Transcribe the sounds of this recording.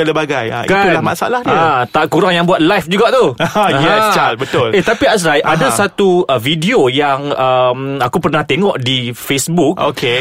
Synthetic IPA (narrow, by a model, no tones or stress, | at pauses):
aləbaɡaja̰ikaulahma̰saa̰lahdəat̪aʔkuɾaŋjaŋbuat̪̚lajfd͡ʒuɡaʔt̪ujɛt͡ʃalbət̪ʊlet̪apias̬ɾajʔadasat̪uəvidiojaŋəmakupərnaht̪eŋɔ̃ʔdifesbuk̚ok̚e